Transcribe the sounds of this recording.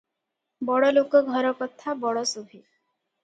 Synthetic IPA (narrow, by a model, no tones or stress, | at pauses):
bɔɽɔlokɔɡʱɔɾɔkɔt̪ʰabɔɽɔsubʱi